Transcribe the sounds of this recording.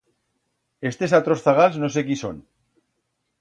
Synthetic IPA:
e̞st̪esat̪ɾo̞sθaɣ̞alznos̬e̞kiso̰n

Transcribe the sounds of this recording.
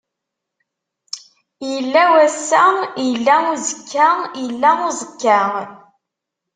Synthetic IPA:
jəlːæwæsːæjəlːæuzəkʰːajəlːæuzəkːaʁ

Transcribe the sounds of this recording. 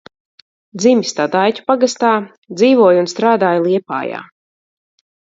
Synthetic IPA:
d̪zimʲist̪ad̪ajcu̥paɡast̪aː | d̪ziːvuɔjunst̪ɾaːd̪aːjlˠiɛpa̰ːja̰ː

